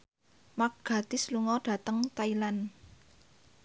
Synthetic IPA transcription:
mak̚ɡ̥a̤t̪ɪsluŋɔɖ̥ä̤t̪əŋt̪ailan

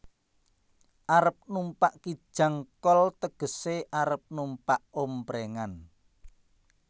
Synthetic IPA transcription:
ʔaɾəp̚numpaʔki̥ʒ̥ä̤ŋkɔlt̪əɡ̥ə̤seʔaɾəp̚numpaʔompɾeŋan

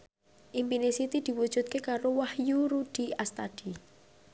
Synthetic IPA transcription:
ʔimpinesit̪id̪̥i̤wud̥ʒ̥ṳt̪̚kekaɾowahjuɾud̪̥i̤ast̪ad̪̥i

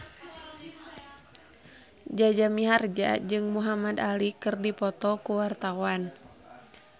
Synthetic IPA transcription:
d͡ʒad͡ʒamiɦard͡ʒa̰d͡ʒɨŋmuɦamad̪alikɨrdipɔt̪ɔkuwart̪awan

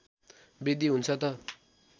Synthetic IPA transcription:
bed̪iɦunt͡sʰʌt̪ʌ

